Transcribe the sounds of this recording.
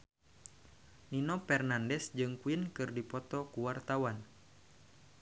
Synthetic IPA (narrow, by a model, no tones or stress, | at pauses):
ninɔpɛrnandɛsd͡ʒɨŋkuinkɨrdipɔt̪ɔkuwart̪awan